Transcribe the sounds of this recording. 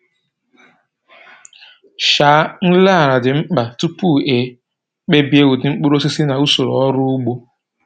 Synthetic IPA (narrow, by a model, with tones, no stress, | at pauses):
ʃaː˨˦n̩˦la˦a˦˨ɾa˨dɪ˨ŋ͡m̩˦k͡pa˨tu˦pu˦˨e˨ | k͡pe˦bi˦e˦wu˨dɪ˨ŋ͡m̩˦k͡pu˦ɾo˦si˦si˦na˨u˦so˨ɾo˨ɔ˦ɾʊ˦u˦ɡ͡bo˦